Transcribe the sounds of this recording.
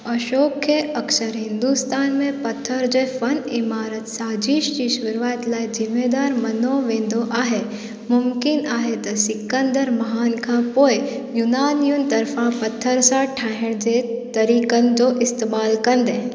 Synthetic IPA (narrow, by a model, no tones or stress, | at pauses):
ɐʃoːkʰjeʔɐksəɾɦɪ̃nd̪ust̪aːnmẽpɐt̪ʰːəɾd͡ʒefɐnɪmaːɾət̪saːd͡ʒiːʃd͡ʒiʃʋʊɾʋaːt̪laːjd͡ʒɪmeːd̪aːɾmɐnoːʋẽːnd̪oʔaːɦe | mʊmkɪnaːɦet̪ɐsɪkːənd̪əɾmɐɦaːnkʰãpoːe | junaːnijunt̪ɐɾfãpɐt̪ʰːəɾsãʈʰaɦɪɽd͡ʒet̪ɐɾiːkənd͡ʒoʔɪst̪emaːlkɐnd̪ẽ